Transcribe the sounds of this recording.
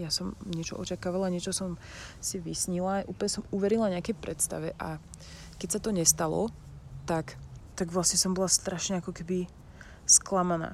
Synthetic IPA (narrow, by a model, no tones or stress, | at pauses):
jasɔmɲɪɛt͡ʃɔ̰ʔɔ̰t͡ʃakaːʋalaɲɪɛt͡ʃɔsɔmsiʋisɲilaʔṵːpl̩ɲɛsɔmuʋɛɾilaɲɪakɛjpɾɛt̪st̪a̰ʋɛʔa̰ | kɛcsat̪ɔɲɛst̪alɔ̰ | t̪akt̪aɡʋlasɲɛsɔmbɔlast̪ɾaʃɲɛakɔkɛbi | sklamana̰ː